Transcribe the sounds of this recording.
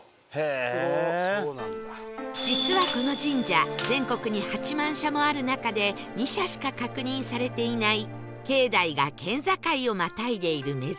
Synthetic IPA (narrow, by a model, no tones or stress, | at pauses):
h | d͡ʑit͡sɨβako̞no̞d͡ʑĩɲd͡ʑazẽ̞ŋko̞kɯ̟ɲ̟ihat͡ɕimãɰ̃ɕamo̞aɾɯ̟nakad̪e̞ | ɲ̟iɕaɕi̥kakakɯ̟ɲ̟ĩɰ̃saɾe̞t̪e̞inai | ke̞ːd̪aiɡa̰kẽ̞nzakaio̞mat̪aid̪e̞iɾɯ̟me̞